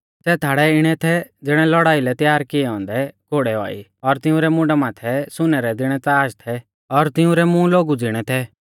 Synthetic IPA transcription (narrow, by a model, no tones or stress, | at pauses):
sɛːt̪ʰaːɽɛɪɽ̃ɛt̪ʰɛd͡zɪɽ̃ɛlɔɽaːilɛt̪jaːɾkɪɛɔ̃ːnd̪ɛkoɽɛa̰ːḭɔɾt̪ɪʊ̃ɾɛmʊ̃ɖamaːt̪ʰɛsʊnɛɾɛd̪ɪɽ̃ɛt͡saːʃt̪ʰɛ | ɔɾt̪ɪũɾɛmũloːɡud͡zɪɽ̃ɛt̪ʰɛ